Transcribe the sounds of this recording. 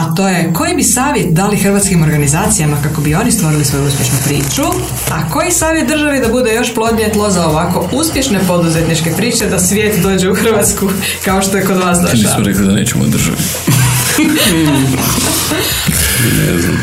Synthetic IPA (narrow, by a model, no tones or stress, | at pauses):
at̪o̞jeko̞jibisaːʋjet̪̚d̪alixrʋaːt̪skimo̞ɾɡanizaːt̪sijamakako̞bio̞nist̪ʋo̞ɾilisʋo̞juuspʲje̞ʃnupɾḭːt͡ʃu | ako̞jisaːʋjet̪d̪r̩ʒaʋid̪abud̪e̞jo̞ʃplo̞d̪ɲet̪lˠozaoʋako̞uspʲje̞ʃne̞po̞d̪uzet̪nit͡ʃke̞pɾiːt͡ʃe̞d̪asʋʲje̞ːt̪d̪o̞ːd͡ʒe̞uxr̩ʋat̪sku | kaoʃt̪ojeko̞d̪ʋaːsd̪oʃmiasmoɾeklid̪aneːt͡ʃemo̰d̪r̩ʒa̰ʋi | nḛzna̰m